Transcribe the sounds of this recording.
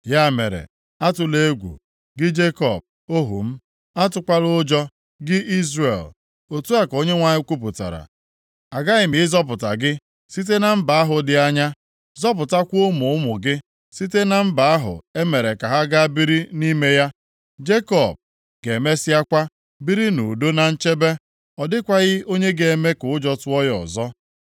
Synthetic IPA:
ja˦˨mḛ˨ɾḛ˨ | a˦tʊ˨le˦ɡʷṵ˨ | ɡɪ˦d͡ʒe˦kɔ̰˨b̚ | o˦ɦṵ˨m̩˦ | a˦tʊ˦kʷa˦lʊ˦d͡ʒɔ˦ | ɡɪ˦ʔi˦zrḛ˨l | o˨tu˦a˦ko˦ɲe˦ŋʷa˨ɲɪ˦kʷu˦p̬ʊ˨ta̰˨ɾa̰˨ | a˨ɡa˦ɣɪ˨m̩ɪ˨˦zɔ˦p̬ʊ˨ta̰˨ɡɪ˦ | si˦t̬e˦na˦m̩˦ba˨a˦ɦʊ˨dɪ˨a˦ɲa˦ | zɔ˦p̬ʊ˨ta˦kʷo˦mʊ˨˦ʊ˦mʊ˨ɡɪ˦ | si˦te˦na˨m̩˦ba˨a˦ɦʊ̰˨e˦me˨ɾe˨ka˨ɦa˦ɡa˦bi˦ɾi˦ni˦me˦ja˦ | d͡ʒe˦kɔ˨b̚ | ɡe˨me˦sɪ˦a˦kʷa˦ | bi˦ɾi˦nu˨do˦na˨n̩˦t͡ʃe˦be˦ | ɔ˨dɪ˦kʷa˦ɣɪ˦o˦ɲe˦ɡe˨e˨me˦kʊ˨ʊ˦d͡ʒɔ˦tʊ˦ɔ˦jɔ̰˨zɔ˦

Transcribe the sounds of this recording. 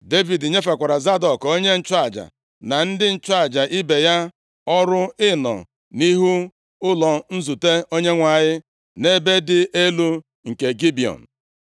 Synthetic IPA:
de˦vi˨dɲe˦fa˨kʷa˨ɾa˨za˦dɔ˨ko˦ɲe˦n̩˨t͡ʃʊ˦a˨d͡ʒa̰˨ | na˨n̩˦dɪ˦n̩˨t͡ʃʊ˦a˨d͡ʒa˨ʔi˦be˨ja˦ | ɔ˦ɾʊ˦ɪ˦nɔ̰˨ | ni˦ɦu˦ | ʊ˦lɔ˨n̩˦zu˨te˦o˦ɲe˦ŋʷa˨ɲɪ˦ | ne˦be˦dɪ˨ʔe˦lu˦ | ŋ̩˨ke˨ɡi˦bi˨ɔ̰˨n̩˨

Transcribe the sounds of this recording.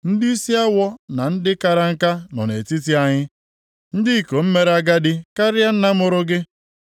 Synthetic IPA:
n̩˦dɪ˦i˦si˦a˦wɔ˦na˨n̩˦dɪ˦ka˨ɾa˦ŋ̩˦ka˦nɔ˨nḛ˨ti˦t̬i˦a˦ɲɪ˦ | n̩˦dɪ˦i˨ko˨m̩˦me˦ɾe˨a˦ɡa˦dɪ˦ka˦ɾɪ˦a˦n̩˦na˦mʊ˨ɾʊ˦ɡɪ˦

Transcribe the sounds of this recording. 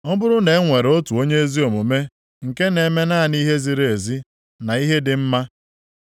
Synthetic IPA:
ɔ˦bʊ˦ɾʊ˦ne˨˦ŋʷe˨ɾo˦tu˨o˦ɲe˦e˦zi˦o˨mo˨me˦ | ŋ̩˨ke˦ne˨˦me˦na˦˨ni˦ɦe˦zi˨ɾe˦˨e˨zi˦ | na˨i˦ɦe˦dɪ˨m̩˦ma˦

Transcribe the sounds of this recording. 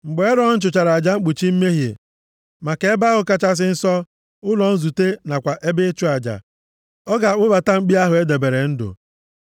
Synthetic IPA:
ŋ͡m̩˨ɡ͡be˨˦e˦ɾɔ˦n̩˦t͡ʃʊ˨t͡ʃa˨ɾa˨a˨d͡ʒa˦ŋ͡m̩˦k͡pu˨t͡ʃi˦m̩˦me˦ɦjḛ˨ | ma˨ke˨e˦ba˦ɣʊ˨ka˦t͡ʃa˦s̬ɪ˦n̩˦sɔ˦ | ʊ˦lɔ˨n̩˦zu˨te˦na˨kʷa˨ʔe˦bɪ˦t͡ʃʊ˦a˨d͡ʒa̰˨ | ɔ˦ɡa˨ʊ˦ba˨ta˦ŋ͡m̩˦k͡pi˦a˦ɦʊ˨e˦de˨be˨ɾe˨n̩˦dʊ̰˨

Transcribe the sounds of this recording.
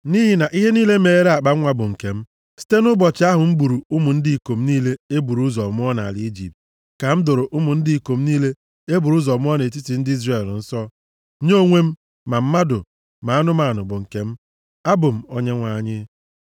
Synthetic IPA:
ni˦ɦi˨na˨ʔi˦ɦe˦niː˦le˦me˨e˦ɾa˨k͡pa˦ŋʷa˦bʊ˨ŋ̩˨ke˨m̩˦ | si̥˦te˦nʊ˦bɔ˨t͡ʃɪ˨a˦ɦʊ˨m̩˦ɡ͡bu˨ɾu˨ʊ˦mʊ˨n̩˦di˦i˨ko˨m̩˦niː˦le˦e˦bu˨ɾu˦zɔ˨mʊ˦ɔ˦na˨a̰˨lɪ˨˦i˦d͡ʒḭ˨p̚t̚ | ka˨m̩˦do˨ɾo˨ʔʊ˦mʊ˨n̩˦di˦i˨ko˨m̩˦niː˦le˦ | e˦bu˨ɾu˦zɔ˨mʊ˦ɔ˦ne˨t̬i˦ti˨n̩˦dɪ˦i˦zre˨ln̩˦sɔ˦ | ɲo˦˨ŋʷe˦m̩˦ | ma˨m̩˦ma˦do˨ | ma˨a˦nʊ˦ma˨nʊ˨bʊ˨ŋ̩˨ke˨m̩˦ | a˦bʊ˨m̩˨o˦ɲe˦ŋʷa˨ɲɪ˦

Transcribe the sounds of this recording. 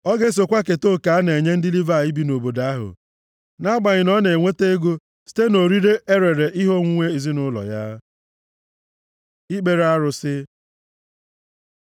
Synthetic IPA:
ɔ˦ɡe˦s̬o˨kʷa˦ke˨to˦˨ka˨a˦ne˨ɲe˦n̩˦dɪ˦li˦va˦˨i˦bi˦no˨bo˨da˦ɦʊ̰˨ | na˦ɡ͡ba˨ɲɪ˨nɔ˦ne˨ŋʷe˦te˦e˦ɡo˦ | si̥˦te˦no˨ɾi˦ɾe˦ʔe˦ɾe˨ɾe˨ʔi˦ɦo˦ŋʷu˦ŋʷe˦i˨zi˦nʊ˦lɔ̰˨ja˦ | i˦k͡pe˨ɾa˦ɾʊ˨sɪ˦

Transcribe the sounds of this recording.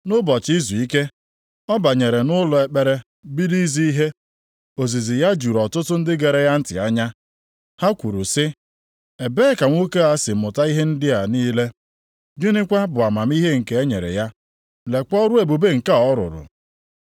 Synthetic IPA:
nʊ˦bɔ˨t͡ʃi˦zu˨i˦ke˦ | ɔ˦ba˨ɲe˨ɾe˨nʊ˦lʊ˨e˨k͡pe˨ɾe˦ | bi˦ɾi˦zi˦i˦ɦe˦ | o˨zi˨zi˨ja˦d͡ʒu˨ɾɔ˨tʊ˦tʊ˦n̩˦dɪ˦ɡe˨ɾe˨ja˦n̩˦tɪ̰˨a˦ɲa˦ | ha˦kʷu˨ɾu˨sɪ˦ | e˨be˦ka˨ŋʷo˦ke˦a˦sɪ˨mʊ˨ta˦i˦ɦe˦n̩˦dɪ˦a˨niː˦le˦ | d͡ʒe˦ne˦kʷa˦bʊ˨a˨ma˨m˦i˦ɦe˦ŋ̩˨ke˨˦e˦ɲḛ˨ɾḛ˨ja˦ | le˨kɔ˦ɾʊ˦e˨bu˨be˦ŋ̩˨ka˦ɔ˦ɾʊ̰˨ɾʊ̰˨

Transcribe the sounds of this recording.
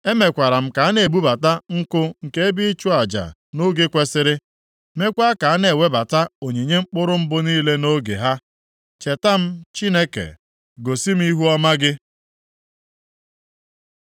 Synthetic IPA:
e˦me˨kʷa˨ɾa˨m̩˦ka˨a˦ne˨bu˦ba˨ta˦ŋ̩˦kʊ˦ŋ̩˨ke˦e˦bi˦t͡ʃʊ˦a˨d͡ʒa̰˨no˦ɡe˦kʷe˦sɪ˦ɾɪ˦ | me˦kʷa˦ka˨a˦ne˨we˦ba˨ta˦o˨ɲi˨ɲe˦ŋ͡m̩˦k͡pʊ˦ɾʊ˦m̩˦bʊ˦niː˦le˦no˦ɡḛ˨ɦa˦ | t͡ʃe˨ta˦m̩˦t͡ʃi˦ne˦kḛ˨ | ɡo˨si˦m̩˦i˦ɦu˦ɔ˦ma˦ɡɪ˦

